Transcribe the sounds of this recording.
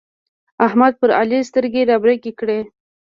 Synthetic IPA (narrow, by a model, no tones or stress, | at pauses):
ahmad̪̚pəɾa̰list̪əɾɡeɾɑbɾɪkikɽe